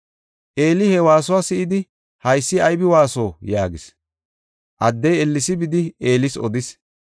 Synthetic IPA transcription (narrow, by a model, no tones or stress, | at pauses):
ʔe̞ːlɪhɛwaːsɔwasɪʔɪd̪ɪ | hɐjsːɪɐjbɪwaːsoːjaːɡɪs | ʔɐd̪ːɛjɛlːɪsɪbɪd̪ɪe̞ːlɪsɔ̰d̪ɪs